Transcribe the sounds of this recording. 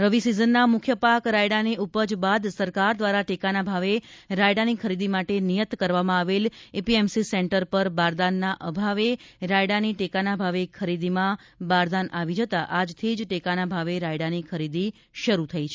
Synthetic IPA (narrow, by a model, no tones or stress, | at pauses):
ɾəʋisizənːamʊkʰjəpakɾaiɽaneupəd͡ʒbad̪səɾkaɾd̪ʋaɾaʈekanabʱaʋeɾajɽanikʰəɾid̪imaʈenijət̪kəɾʋamãaʋelepiemsisɛɳʈəɾpəɾbaɾd̪anːaʔəbʱaʋeɾajɽaniʈekanabʱaʋekʰəɾid̪imã | baɾd̪anʔaʋid͡ʒət̪aʔad͡ʒt̪ʰid͡ʒʈekanabʱaʋeɾaiɽanikʰəɾid̪i | ʃəɾut̪ʰəit͡ʃʰe